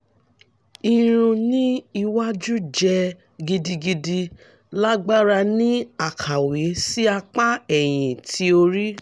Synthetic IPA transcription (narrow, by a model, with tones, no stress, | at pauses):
i˧ɾ̃ũ˧nĩ˦i˧wa˦d͡ʒu˦d͡ʒɛ˧ | ɡi˧di˧ɡi˧di˧ | la˦ɡ͡ba˦ɾa˧nĩ˦a˨kʰa˨we˨˦si˦a˧k͡pa˦ɛ˨j̃ĩ˨tʰi˦o˧ɾi˦